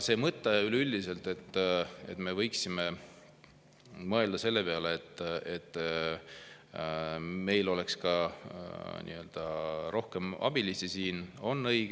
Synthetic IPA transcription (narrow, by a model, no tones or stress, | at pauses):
se̞ːmɤt̪ːˑeylylʲd̪ise̞lt̪e̞t̪ːˑe̞̰t̪ːme̞vɤjksime̞ | mɤe̞ld̪̥ɑse̞lːe̞peɑleet̪ˑːet̪ːˑ | me̞jlo̞le̞kskɑ | nḭø̞ld̪̥ɑɾo̞hke̞mɑ̰b̥ilisisiːno̞nːɤjɡ